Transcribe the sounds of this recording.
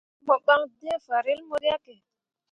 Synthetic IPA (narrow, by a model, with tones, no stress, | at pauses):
mɔ˨ɓa˦ŋde˦fa˨ɾi˦lmo˦ɾi˦a˦kɛ˨